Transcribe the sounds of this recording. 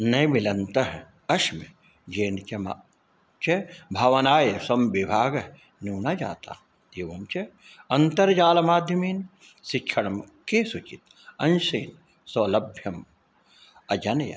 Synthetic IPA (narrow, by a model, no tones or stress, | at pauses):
nɐjʋilɐnt̪ɐɦ | ɐʃme | d͡ʒeːnt͡ʃɐma̰ | t͡ʃebʱɐʋɐnaːjɐsɐmbibʱaːɡ | nuːnad͡ʒa̰ːt̪a̰ | eːʋɐmt͡ʃe | ɐnt̪ɐɾd͡ʒaːlɐmaːd̪ʱjɐmeːn | sɪkʃʰɐɽɐm | kesut͡ʃit̪ | ɐnsḛːn | soːlɐbʱjɐm | ɐd͡ʒɐnjɐ̰